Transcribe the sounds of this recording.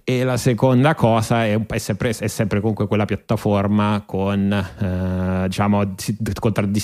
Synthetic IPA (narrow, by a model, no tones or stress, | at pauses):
elasekond̪akɔːzaɛumpɛsːɛmpɾeɛsːɛmpɾekomuŋkwekwelːapjat̪ːaformakʰon | d̪it͡ʃaːmosikont̪ɾad̪ːi